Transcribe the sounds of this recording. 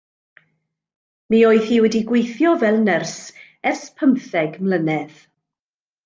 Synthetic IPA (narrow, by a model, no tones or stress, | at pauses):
miːoːɨθhiːwɛdiɡwejθjɔvɛlˠnərs | ɛrspʰəmθɛɡmlənɛð